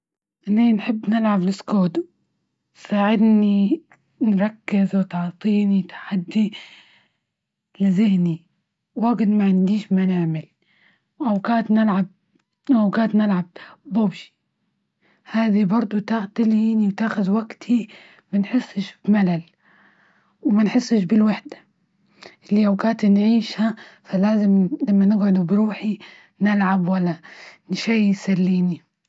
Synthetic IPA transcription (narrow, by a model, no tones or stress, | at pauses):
ʔninħɪbːnɪlʕablɪskoːd̪ | saːʕɪd̪ni | nɾˤɑkːɪzwt̪ɑʕt̪ˤiːnit̪ḁħad̪ːi | lɪzɪhni | waɡɪt̪maʕɪnd̪iːʃmanɪʕmɪl | wʔawkaːt̪nɪlʕab̚ | awɡaːt̪nɪlʕab̚bʊbʃi̥ | haːðibɑɾˤd̪ˤʊt̪at̪ɪliːniwt̪aːxʊðwaɡt̪ʰi | manħɪsːɪʃbmalal | wmanħɪsˤːɪʃbɪlwaħd̪ḁ | lːiʔawkaːt̪nʕiːʃhafalaːzɪmlamːanɪɡʕʊd̪ubɾuːħi | nɪlʕabwalːanʃaːsalːiːni